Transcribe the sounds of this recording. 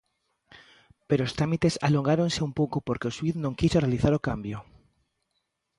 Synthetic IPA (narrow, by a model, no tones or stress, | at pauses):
peɾoːst̪ɾamit̪esa̰loŋɡaɾonseumpowkopoɾkeoswiθnõŋkisorealiθaɾokambjo